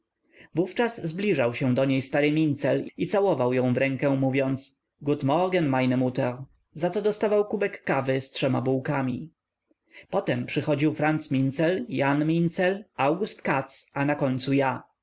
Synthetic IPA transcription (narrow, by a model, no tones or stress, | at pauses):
vuft͡ʂazzblʲiʐawɕɛ̃d̪ɔɲejst̪aɾɘmʲint̪sɛlit̪sawɔvawjɔ̃w̃vɾɛŋkɛ̃muvʲjɔnt̪s | ɡut̪mɔɡɛnmajnɛmut̪ɛɾ | zat̪sɔd̪ɔst̪avawkubɛkːavɘstʂɛma̰buwkamʲi | pɔt̪ɛmpʂɘxɔd͡ʑiwfɾant̪smʲint̪sɛljanmʲint̪sɛlawɡust̪kat̪sanakɔɲt̪suja